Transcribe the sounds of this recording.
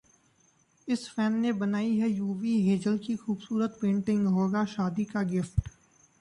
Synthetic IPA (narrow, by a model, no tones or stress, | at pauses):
ɪsfɛːnːebənaːiɦɛjuːʋiɦeːd͡ʒəlkixuːbsuːɾət̪̚pẽːɳʈɪ̃ŋɡɦoːɡaʃaːd̪ikaɡɪfʈ